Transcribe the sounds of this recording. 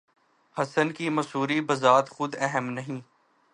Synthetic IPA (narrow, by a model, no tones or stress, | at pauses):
hɐsənkimɐsuːɾibəzaːt̪xʊd̪ɛɦəmnɐɦĩː